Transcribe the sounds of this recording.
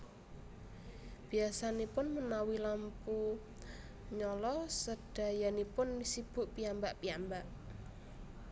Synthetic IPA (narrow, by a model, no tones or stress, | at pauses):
b̥i̤asanepʊnmənawilampu | ɲɔlɔsəd̥a̤janipʊnsib̥ṳʔpiambaʔpiambaʔ